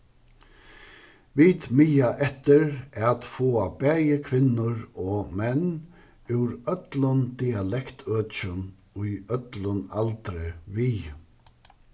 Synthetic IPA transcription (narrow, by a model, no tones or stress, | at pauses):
ʋiːt̪myːjaʔɛt̪əɾat̪foːabɛjəkʰʋɪnːʊɾɔmɛn | ʉːɾœt̪lʊnd̪ialɛkt̪ʰøːt͡ʃən | ʊjœt̪lʊnalt̪ɾɪʋiː